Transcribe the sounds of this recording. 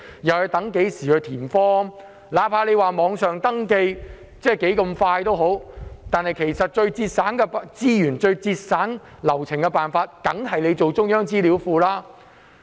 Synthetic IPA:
jɐ˨whɐ˨˧t̪ɐ˨˥ŋke˨˥jsiː˨˩hɵ˧t̪ʰiː˨˩nfɔː˥ | laː˨˥pʰaː˧˥le˨˧jwaː˨mɔː˨˧ŋsœː˨ŋt̪ɐ˥ŋke˧j | t͡sɛː˥˩ke˨˥jkɐ˧mfaː˧jt̪o˥wɦo˨˥wt̪aː˨nhɐ˨jkʰe˨˩jsɐ˨t̚t͡ʃɵ˧ɥt͡siː˧t̚saː˨˥nkɛ˧pt͡siː˥jyː˨˩nt͡ʃɵ˧ɥt͡siː˧t̚saː˨˥n | lɐ˨˩wt͡sʰɪ˨˩ŋkɛ˧paː˨nfaː˧t̚kɐ˨˥ŋɦɐ˨jle˨˧jt͡so˨wt͡sʊ˥ŋjœː˥ŋt͡siː˥liː˨˥wfuː˧laː˥

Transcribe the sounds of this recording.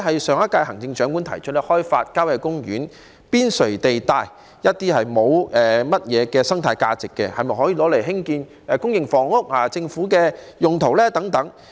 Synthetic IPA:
ɦɐ˨jsœː˨ŋɐ˥t̚kaː˧jɦɐ˨˩ŋt͡sɪ˧ŋt͡ʃœː˨˥ŋku˨˥nt̪ʰɐ˨˩jt͡ʃʰɵ˥t̚lɛ˥hɔː˥jfa̰ː˧t̚kaː˥wjɐ˧jkʊ˥ŋjyː˨˥n | piː˥nsɵ˨˩t̪e˨jt̪aː˧j | jɐ˥t̚t̪iː˥hɐ˨jmo˨˧wɛː˨mɐ˥t̚jɛː˨˧kɛː˧sɐ˥ŋt̪ʰaː˧jkaː˧t͡sɪ˨kːɛ̰˧hɐ˨jmɐ˨jɦɔː˨˥jiː˨lɔː˨˥le˨˩ɦɪ˥ŋkiː˧n | ɛː˨kʊ˥ŋjɪ˨˩ŋfɔː˨˩ŋʊ˥k̚haː˨˩t͡sɪ˧ŋfu˨˥kɛː˧jʊ˨ŋt̪ʰo˨˩wlɛː˥t̪ɐ˨˥ŋt̪ɐ˨˥ŋ

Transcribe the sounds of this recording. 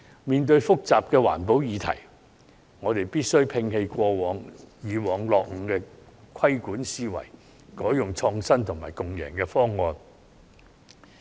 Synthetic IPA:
miː˨nt̪ɵ˧ɥfʊ˥k̚t͡saː˨p̚kɛː˧wa̰ː˨˩npo˨˥wjiː˨˧t̪ʰɐ̰˨˩j | ŋɔː˨˧t̪e˨jpiː˥t̚sɵ˥ɥpʰɪ˧ŋhe˧jkʷɔː˧wɔː˨˥ŋjiː˨˧wɔː˨ŋlɔː˨k̚ŋ̩˨˧kɛː˧ | kʰɐ˥jkuː˨˥nsiː˥wɐ̰˨˩j | kɔː˨˥jʊ˨ŋt͡ʃʰɔː˧ŋsɐ˥nt̪ʰʊ˨˩ŋmaː˨˩jkʊ˨ŋjɛː˨˩ŋkɛː˧fɔː˥ŋːɔː˨˧n

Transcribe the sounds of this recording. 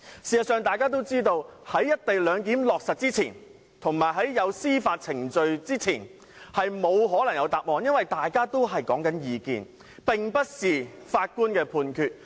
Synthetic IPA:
siː˨sɐ˨tsœː˨˧ŋt̪aː˨˩jkaː˥t̪̬o˥wt͡siː˥t̪o˧whɐ˨˥jːɐ˥t̚t̪e˨jlœː˨˧ŋkiː˨˥mlɔː˨k̚sɐ˨t̚t͡siː˥t͡sʰḭː˨˩n | t̪ʰʊ˨˩ŋmaː˨˩jɦɐ˨˥jːɐ˨˧wsiː˥faː˧t̚t͡sʰɪ˨˩ŋt͡sɵ˨ɥt͡siː˥t͡sʰiː˨˩n | hɐ˨jmo˨˧wɦɔː˨˥lɐ˨˩ŋjɐ˨˧wt̪aː˨p̚mɔː˨˧njɐ˥nwɐ˨jt̪aː˨jkaː˥t̪o˥wɦɐ˨jkɔː˨˥ŋkɐ˨˥njiː˨˧kḭː˨n | pɪ˨ŋpɐ˥t̚siː˨˩faː˧t̚kuː˥nkɛː˧pʰuː˨˧nkʰyː˧t̚

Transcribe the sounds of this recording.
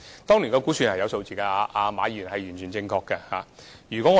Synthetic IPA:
t̪ɔː˥ŋliː˨˩nkɔː˧ku˨˥syː˧nhɐ˨jɐ˧wso˧wt͡siː˨kaː˧aː˧ʔaː˧maː˨˧˥jyː˨˩nhɐ˨jyː˨˩nt͡ʃʰyː˨˩nt͡sɪ˧ŋkʰɔː˧kːɐ˧haː˨jyː˨˩kʷwɔ˨˥ŋːɔ˨˧

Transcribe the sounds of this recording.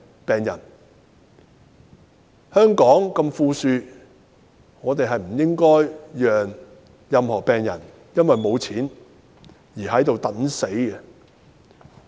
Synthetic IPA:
pɛː˨ŋjɐ˨˩n | hœː˥ŋkɔː˨˥ŋkɐ˧mfuː˧syː˧ | ŋɔː˨˧t̪e˨jɦɐ˨jm̩˨˩jɪ˥ŋkɔː˥jjœː˨ŋ | jɐ˨mhɔː˨˩pɛː˨˩ŋjɐ̰˨˩n | jɐ˥nwɐ˨jmo˨˧wt͡sʰiː˨˥n | jiː˨˩ɦɐ˨˥jt̪o˨wt̪ɐ˨˥nse˨˥jɛ˧

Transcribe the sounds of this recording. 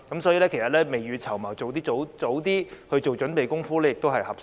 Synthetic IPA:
kɐ˨˥msɔː˨˥jiː˨˧lɛ˥kʰjsɐ˨t̚lɛː˥me˨jyː˧t͡sʰɐ˨˩wmɐː˨˩wt͡so˨wt̪iː˥o˨˥wt͡so˨˥wt̪iː˥hɵ˧ɥt͡so˨wt͡ʃɵ˨˥npe˨jkʊ˥ŋfuː˥lɛː˥jɪ˨k̚t̪o˥wɦɐ˨˩jhɐ˨˩p̚

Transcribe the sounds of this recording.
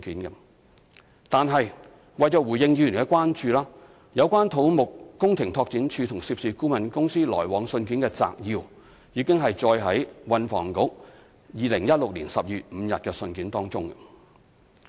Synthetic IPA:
kiː˨˥nkɐ˧ | t̪aː˨nɦɐ˨j | wɐ˨jt͡sɔ˨wuː˨˩jɪ˨˧ŋjy˨˩nkɛː˧kʷwaː˥nt͡ʃyː˧laː˥ | jɐ˨˧wkʷaː˥nt̪ʰo˨˥wmʊ˨kːʊ˥ŋt̪ʰɪ˨˩ŋt̪ʰɔː˧k̚t͡siː˨˥nt͡ʃʰyː˧t̪ʰʊ˨˩ŋsiː˧p̚siː˨kuː˥mɐ˨nkʊ˥ŋsiː˥lɔː˨˩jwɔː˨˥ŋsɵ˧nk̬iː˨˥nkɛː˧t͡sa̰ː˨k̚jiː˧w | jiː˨˧kɪ˥ŋɦɐ˨jt͡sɔː˧jɦɐ˨˥jwɐ˨˧nfɔ̰ː˨˩ŋkʊ˨˥k̚ | jiː˨lɪ˨˩ŋjɐ˥t̚lʊ˨k̚liː˨˩nsɐ˨p̚jyː˨t̚m̩˨˧˦jɐ̰˨t̚kɛː˧sɵ˧nkiː˨˥nt̪ɔː˥ŋt͡sʊ˥ŋɐ˧

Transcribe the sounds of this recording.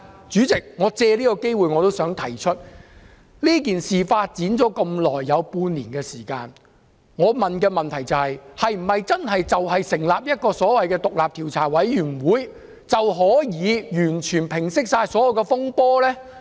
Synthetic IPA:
t͡syː˨˥t͡sɪ˨k̚ŋɔː˨˧t͡sɛː˧liː˥kɔ˧ke˥jwuː˨jŋɔː˨˧t̪o˥wsœː˨˥ŋt̪ʰɐ˨˩jt͡ʃʰɵ˥t̚ | liː˥k̬iː˨nsiː˨faː˧t̚t͡siː˨˥nt͡sɔː˨˥kɐ˧mlɔː˨˩jːɐ˨˧wpuː˧nliː˨˩nkɛː˧siː˨˩ka̰ː˧n | ŋɔː˨˧mɐ˨nkɛː˧mɐ˨nt̪ʰɐ˨˩jt͡sɐ˨whɐ˨jhɐ˨jm̩˨˩hɐ˨jt͡sɐ˥nɦɐ˨jt͡sɐ˨wɦɐ˨jsɪ˨˩ŋlaː˨p̚jɐ˥t̚kɔː˧sɔː˨˥wɐ˨jkɛː˧t̪ʊ˨k̚laː˨p̚t̪ʰiː˨˩wt͡sʰaː˨˩wɐ˨˥jːyː˨˩n˨wuː˨˧j | t͡sɐ˨wɦɔː˨˥jiː˨˧jyː˨˩nt͡ʃʰyː˨˩npʰɪ˨˩ŋsɪ˥k̚saː˧jsɔː˨˥jɐ˨˩wkɛː˧fʊ˥ŋpɔː˥lɛː˥

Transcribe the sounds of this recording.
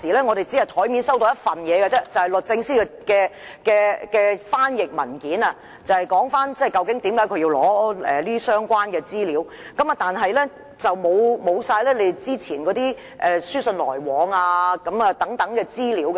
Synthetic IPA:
iː˨˩lɛː˥ŋɔ˨˧ɾe˨jt͡si˨˥hɐ˨jt̪ʰɔː˨˥jmi˨˧˥nsɐ˥wt̪o˧jɐ˥t̚fɐ˨njɛː˨˧ɡɛ˧t͡sɛː˥t͡sɐ˨˩whɐ˨jlɵ˨t̚t͡sɪ˧ŋsiː˥˧kɛː˧kɛː˧kɛː˧faː˥njɪ˨k̚mɐ˨˩nkiː˨˥na˧ | t͡sɐ˨hɐ˨jkɔː˨˥ŋfaː˥nt͡sɛ˥˩jkɐ˧wkɪ˨˥ŋt̪iː˨˥mkaː˨˥jkʰɵ˧ɥji˧wlɔː˨˥ɛ̰ː˨liː˥i˥sœː˥ŋkʷaː˥nkɛː˧t͡siː˥liː˨˥w | kɐ˨˥mɐ˨t̪aː˨nɦɐ˨jlɛ˥ | t͡sɐ˨wmo˨˧wmo˨˧wsaː˧jlɛː˥le˨˧t͡siː˥t͡sʰiː˨˩nkɔː˨˥t̪iː˥ | ʔɛː˨syː˥sɵ˧nlɔː˨˩jwɔː˨˧ŋaː˧kɐ˨˥mɐ˨˧t̪ɐ˨˥ŋt̪ɐ˨˥ŋkɛː˧t͡siː˥liː˨˥wkɛ˧

